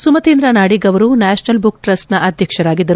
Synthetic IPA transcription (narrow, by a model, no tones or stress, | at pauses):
sumɐt̪iːnd̪ɾanaːɽiɡɐʋɐɾunaːʃnɐlbuk̚ʈɾɐsʈnɐʔɐd̪ʱjɐkʂɐɾaːɡid̪ːɐɾu